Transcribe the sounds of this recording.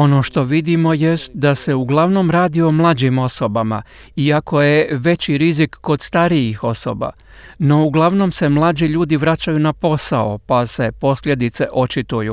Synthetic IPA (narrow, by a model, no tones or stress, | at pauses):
o̞no̞ːʃt̪o̞ʋid̪imo̞je̞st̪̚d̪ase̞uɡlˠaʋno̞mɾaːd̪io̞mlˠaːd͡ʑimo̞so̞bama̰ | iakʰo̞je̞ʋe̞t͡ɕiɾizikːo̞d̪st̪aɾijixo̞so̞̰ba̰ | no̞uɡlˠaʋno̞mse̞mlˠaːd͡ʑiʎuːd̪iʋɾat͡ɕajunapo̞sao̞̰pase̞po̞slʲje̞d̪it̪se̞ʔo̞t͡ʃit̪ujṵ